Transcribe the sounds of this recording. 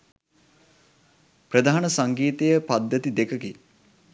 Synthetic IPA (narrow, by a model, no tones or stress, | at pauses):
pɾəd̪aːanəsaŋɡiːt̪əjəpad̪ːət̪id̪ekəki